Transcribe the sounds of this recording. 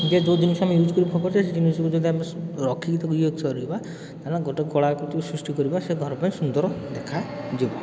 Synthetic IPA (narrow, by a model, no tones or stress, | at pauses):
d͡ʒed͡ʒod̪inɔsɔamejud͡ʒkɔɾibɔɔkɔt͡ʃʰesed͡ʒinisɔkud͡ʒɔd̪iameɾɔkʰikit̪ʰɔkuoɡsɔɾiba | t̪alaɡoʈekɔɽakut̪isɾusʈikɔɾibaseɡʱɔɾɔpaj̃sund̪ɔɾɔd̪ekʰad͡ʒiba